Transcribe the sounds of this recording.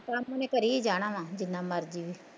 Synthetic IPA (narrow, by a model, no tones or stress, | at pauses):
kamːʊnẽːkəɾiːiːd͡ʒaːɽ̃ãːʋãːd͡ʒɪnːãːməɾd͡ʒiːʋiː